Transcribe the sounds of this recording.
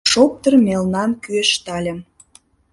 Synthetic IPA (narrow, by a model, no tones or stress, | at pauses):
ʃop̚t̪ərmʲelnɑmkyeʃt̪ɑlʲə̆m